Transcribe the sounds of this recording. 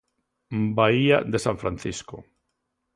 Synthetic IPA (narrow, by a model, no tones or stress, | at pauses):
baia̰d̪esaɱfɾanθisko